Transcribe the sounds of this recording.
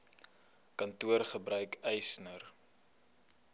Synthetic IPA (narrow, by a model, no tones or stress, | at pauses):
kɐntuərχəbɾœɥkɛjsnər